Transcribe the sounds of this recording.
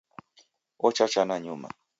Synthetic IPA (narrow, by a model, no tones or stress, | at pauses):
ot͡ʃat͡ʃanaɲʊma̰